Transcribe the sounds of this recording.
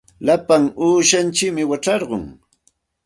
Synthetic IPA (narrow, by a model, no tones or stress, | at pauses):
lapaŋuːʃant͡ʃɪkmɪwaʈ͡ʂɑɾɢo̰ŋ